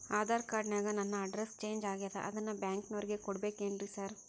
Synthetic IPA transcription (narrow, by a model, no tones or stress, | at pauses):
aːd̪aːɾɐkaːɾɖnjaːɡɐnɐnːɐɐɖɾest͡ʃe̞ːɲd͡ʒaːɡijɐd̪ɐ̰ʔɐ̰d̪ɐnːɐbjaːŋknoːɾiɡe̞kɔɽbe̞ːkeːɳɖɾisaːɾ